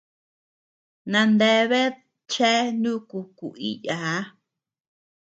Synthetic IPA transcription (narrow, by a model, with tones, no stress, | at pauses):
nã˧nd̪e˦βe˦ | t͡ʃe˦nũ˦ku˧kṵ˨i˦ja˨˦